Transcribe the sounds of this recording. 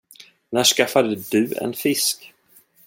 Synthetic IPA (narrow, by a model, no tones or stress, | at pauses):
næːʂkafad̪əd̪ɵɛ̰nfɪsk